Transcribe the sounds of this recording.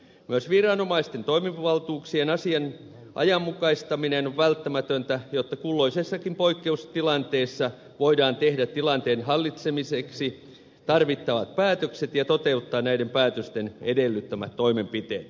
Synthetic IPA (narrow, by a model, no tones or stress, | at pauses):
myøsʋirɑnomɑist̪ent̪oimiʋʋɑlt̪uːksienɑsiɑn | ʔɑ̰jɑmːukɑist̪ɑminenoʋʋælt̪ːæmæt̪ønt̪æjot̪ːɑkulːoisesːɑkimpoikːeust̪ilɑnt̪eːsːɑ | ʋoidɑːnt̪ehdæt̪t̪ːilɑnt̪eːnhɑlːit̪semiseksi | t̪ɑrʋit̪ːɑʋɑt̪̚pæːt̪økset̪jɑt̪ot̪eut̪ːɑːnæidempæːt̪øst̪enedelːyt̪ːømæ̰t̪t̪ːoimempit̪ḛːt̪